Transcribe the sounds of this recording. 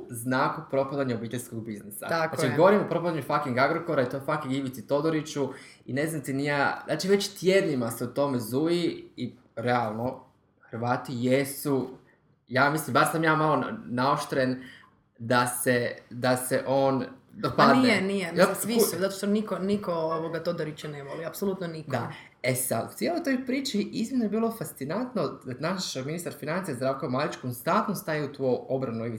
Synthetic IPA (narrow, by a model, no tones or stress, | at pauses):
znakupɾo̞pad̪aɲeobiːt̪eʎʲskoɡ̚biznisa̰aat͡ʃiɡo̞ʋoɾimopɾo̞pad̪aɲufakiŋɡaɡɾoko̞ɾait̪ofakiŋɡiʋit̪it̪o̞d̪oɾit͡ʃuine̞zamt̪inijazaːt͡ʃiʋe̞t͡ɕt̪jed̪nimaseut̪o̞mezujii | ɾealˠno̞ | xəɾʋaːt̪ijesu | jaːmislimbaɾsamjaːmalonaoʃt̪ɾen | d̪ased̪aseʔoːnd̪apad̪nienijemasʋisuzat̪oʃt̪onikonikooʋoɡat̪od̪aɾit͡ɕɛneʋoliapsolut̪nonikdd̪a | esad̪ṵt̪sjelˠojt̪o̞jpɾiːt͡ʃiʔizminojebiːlˠo̞fast̪sinant̪nonaʃminist̪aɾfinant̪sijazd̪ɾaːʋkomalit͡ʃkonst̪ant̪nost̪ajiut̪uo̞bɾanuiʋi